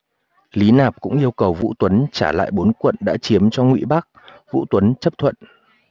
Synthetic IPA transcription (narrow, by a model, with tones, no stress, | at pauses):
li˨˦naː˨˩p̚kʊ̰˧˥ŋ͡mʔi˧əwkə˨˩wvṵ˧˥t̪wə˨˦nt͡ɕaː˧˩la̰ː˧˨jɓo˨˦nkwə̰˧˨nɗa̰ː˧˥t͡ɕi˨˦əmt͡ɕɔ˧ŋwḭ˧˨ɓa˦˥k̚ | vṵ˧˥t̪wə˨˦nt͡ɕə˦˥p̚t̪ʰwə̰˧˨nʔ